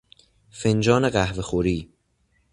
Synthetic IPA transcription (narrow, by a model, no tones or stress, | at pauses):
fend͡ʒɒːneɢæhve̞xoɾiː